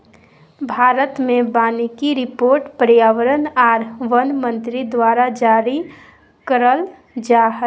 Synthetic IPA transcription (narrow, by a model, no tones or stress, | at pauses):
bʱaːɾət̪mẽbaːnikiɾɪpoːɾʈpəɾjaːʋəɾənaːɾʋənmə̃nt̪ɾid̪waːɾad͡ʒaːɾi | kəɾəl | d͡ʒaːɦə